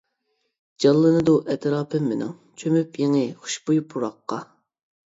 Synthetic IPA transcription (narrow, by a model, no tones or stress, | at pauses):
d͡ʒɑlˠːɨnɨd̪uʔɛt̪ʰɾɑːpʰɨmːɪnɪ̰ŋ | t͡ʃʰømypjeŋɪχʊ̥ʃbujupʰuɾɑqːɑ